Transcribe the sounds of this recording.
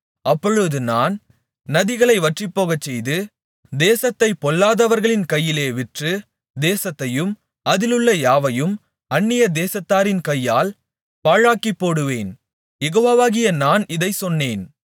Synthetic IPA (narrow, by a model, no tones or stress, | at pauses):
ʔɐpːɔɻɯðɯnaːn | nɐðɪɣɐɭɐɪʋɐʈrɪpːoːɣɐt͡ʃːɛjðɯ | d̪eːsɐt̪ːɐɪpːɔɭːaːðɐʋɐɾɣɐɭɪnkɐjːɪleːʋɪʈrɯ | d̪eːsɐt̪ːɐjɯm | ɐðɪlɯɭːɐjaːʋɐjɯm | ɐnːɪjɐd̪eːsɐt̪ːaːɾɪnkɐjːaːl | paːɻaːkipːoːɽɯʋeːn | jɛɣoːʋaːʋaːɣɪjɐnaːnɪðɐɪsɔnːeːn